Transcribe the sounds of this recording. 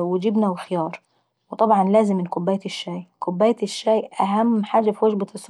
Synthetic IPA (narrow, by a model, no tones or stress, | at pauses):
wɪd͡ʒɪbnawɪxɪjɑːɾˤ | wt̪ˤɑbʕɑnlaːzɪmːɪnkʊbːaːjt̪ɪʃːaːjkʊbːaːjt̪ɪʃːaːjʔaɦamːħaːd͡ʒafiwad͡ʒbasˤː